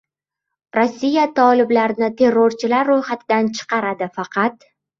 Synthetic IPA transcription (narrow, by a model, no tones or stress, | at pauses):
ɾosːijat̪ʰɒlɪblaɾnɪt̪ʰe̞ɾːoɾt͡ʃʰɪlaɾːojχat̪ʰɪd̪ant͡ʃʰɨ̥qɑɾad̪ɪfɑqʰɑt̪